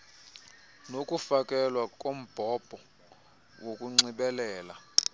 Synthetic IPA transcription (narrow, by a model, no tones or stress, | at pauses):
nokʼufakʼɛlwakʼom̩b̥ʱɔb̥ʱɔ | wokʼuŋ͡ǀiɓɛlɛːla